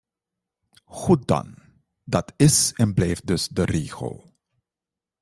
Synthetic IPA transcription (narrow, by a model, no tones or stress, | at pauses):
χut̚dɑ̰n | dɑtɪsɛnblɛjft̚dɵsdəriːxə̰lˠ